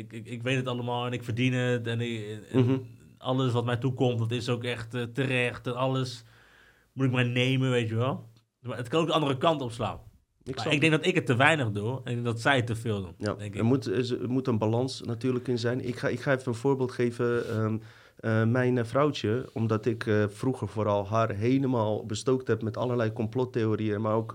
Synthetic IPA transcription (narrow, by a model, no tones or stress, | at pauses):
ɪɪkʋejtətɑləmaːlˠɛnɪkfərdinətɛn | ɑ̰ləsʋɔtmɛjtukɔmtɔtɪsoːkɛxtːtərɛxtɛnɑləs | mutɪkmɛjneːmənʋeːtjəʋɛlˠ | maətkɑnowkdəɑndərəkɑntɔpsla̰ːn | ɪɪɡ̚dɛ̃ŋɡ̚dɔtɪkətːəʋɛjnəxduɛnɪɡ̚dɪŋɡ̚dɔtsɛjətːəfɪːlˠdṵnja̰dɛŋkəmutmutənbalɑnsnatyːɹləkɪnzɛjnʔɪ̰kxaɪkxaːɛfəənfoːɹbeːlˠtxeːvə | mɛjnfrɔwtjəɔmdɔtɪkfruxəɹfoːɾɑlˠɦarɦeləmaːlˠbəstoːk̚thɛpmɛtɑlərlɛjkɔmplɔteoːriənmarowk